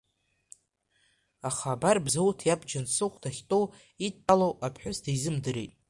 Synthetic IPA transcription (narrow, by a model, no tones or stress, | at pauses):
aχabarbzowtʰjabd͡ʒansɨχʷd̥aχʲtʼow | itʰːalowʔapʰħʷᶣʊsdaizɨmdɨɾejtʼ